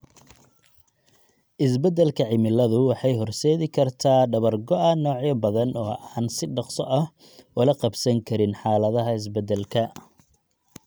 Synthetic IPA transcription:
ʔɪs̬bɐd̪ɛlkʰɐʕɪmɪlɐðʊwɑħɑjɦɔrsɛːðɪkʰɐrt̪ʰaːɖɐβɐrɡɔʔɐnɔːʕjɐbɐðɐnɔːʔaːnsɪɖɑqsɔʔɐh | ʊlɐqɑbsɐŋkʰɐɾɪnħɑːlɐðɐɦɐɪs̬bɛd̪ɛlkʰɐ

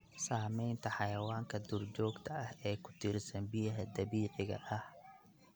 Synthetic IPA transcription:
saːmɛjnt̪ʰɐħɑjɐwaːŋkʰɐd̪ʊrd͡ʒɔːɡt̪ʰɐʔɐhɛːkʰʊ̥t̪ʰɪrsɐnbɪjɐɦɐd̪ɐβiːʕɪɣɐ̰ʔɐh

